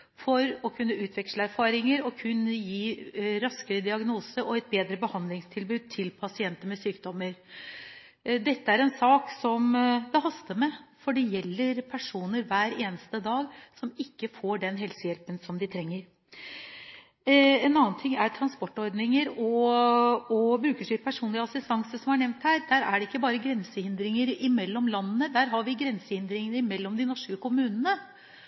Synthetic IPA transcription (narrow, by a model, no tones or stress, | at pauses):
fɔɾɔkʰʉnːəʉːt̪ʰʋɛkʂləæɾfɑːɾɪŋəɾɔkʰʉnːəjiːɾɑskəɾəd̪ɪɑɡnuːsəʔɔɛt̪̚beːd̪ɾəbəhɑnd̪lɪŋst̪ʰɪlbʉːd̪̚t̪ʰɪlpʰɑsɪɛnt̪əmɛsyːkd̪ɔmːəɾ | d̪ɛt̪ːəæɾɛnsɑːksɔmd̪ɛɦɑst̪əmɛfɔɖɛjɛlːəɾpʰæʂuːnəɾʋæːɾeːnəst̪əd̪ɑːɡsɔmɪkːəfoːɖɛnɦɛlsəjɛlpənsɔmd̪ɪt̪ʰɾɛŋːəɾ | ɛnɑːənt̪ʰɪŋːæɾʈ̪ʰɾɑnspɔʈːɔɾd̪nɪŋəɾɔ | ɔbɾʉːkəʂiɾpʰæʂuːnlɪɑsɪst̪ɑŋsəsɔmhæɳɛʋnt̪hæːɾd̪æːɾæ̰ɖɛɪkːəbɑːɾəɡɾɛnsəhɪnd̪ɾɪŋəɾɪmɛlːɔmlɑnːənəd̪æːɾɦɑɾʋɪɡɾɛnsəhɪnd̪ɾɪŋənəɾɪmɛlːɔmd̪ɪnɔʂkəkʰʊmʉːnənə